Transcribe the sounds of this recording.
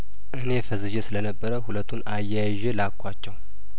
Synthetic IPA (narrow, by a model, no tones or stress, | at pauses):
ʔɨnefəzɨd͡ʒesɨlənəbːəɾəhulət̪ʰːunajːajʒɛlakʰʷːat͡ʃːɛw